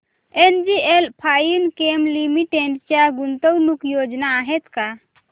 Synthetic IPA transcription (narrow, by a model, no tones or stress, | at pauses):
end͡ʒielpʰajinkemlimiʈeɳɖt͡ʃaɡunt̪ɔwnukjod͡ʒnaːɦɛt̪ka